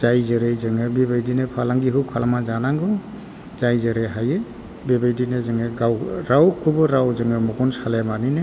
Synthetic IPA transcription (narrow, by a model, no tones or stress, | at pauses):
zajzɯɾejzɯŋɯbebajdinepʰalaŋɡiɦɯkʰalamazanaŋɡɯ | zajzeɾeɦajɯ | bebajdinezɯŋɯɡawɾawkʰubɯɾawzɯŋɯmuɡunsalemaninɯ